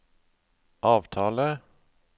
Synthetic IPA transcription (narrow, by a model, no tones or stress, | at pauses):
ʔɑːʋt̪ʰɑːlə